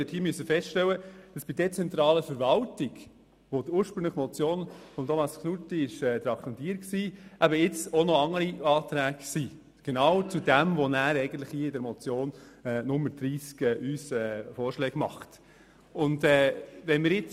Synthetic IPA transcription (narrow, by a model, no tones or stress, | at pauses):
ɪthiːmyøsːəfɛstʃtɛwəd̥ɑsb̥idɛt͡sɛnt̪ɾɑːləfəɾvɑltiɡ | ʋod̥uːɾʃpɾʏŋləχəmɔt͡sjoːnfɔmt̪ʰɔmɑsknutiɪʃɛːd̪ɾɑkʰɛnt̪iːəɾiksiːʔæbəɪt͡sɔnɔɑŋːəɾiɑːt̪ɾæːksiː | ɡ̥enɑwt͡sudæmvɔnæːɾɛɪɡən̩t̪lɪχhiːɪdɛɾmɔt͡sjoːnɛːnʊmːəɾd̥ɾiːskɛːʔyːsɛːfɔːɾʃlɛːɡmɑ̰χt | ʊndɛːvɛnmɪɾjɪt͡s